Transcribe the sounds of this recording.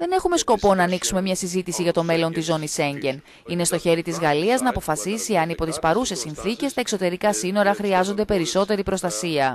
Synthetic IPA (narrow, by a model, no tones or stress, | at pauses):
ðe̞ne̞xume̞sko̞po̞nɐːniksume̞mɲɐsizit̪isiʝɐt̪o̞me̞lo̞nt̪izo̞nise̞ɲɟe̞n | ine̞st̪o̞çe̞ɾit̪izɣɐliɐznɐːpo̞fɐsisiɐnipo̞t̪ispɐɾusesinθice̞st̪ɐe̞kso̞t̪e̞ɾikɐsino̞ɾɐxɾiɐzo̞nd̪e̞pe̞ɾiso̞t̪e̞ɾipɾo̞st̪ɐsiɐ